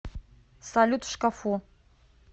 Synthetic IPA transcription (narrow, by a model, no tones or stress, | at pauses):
salʲut̪ʃkafu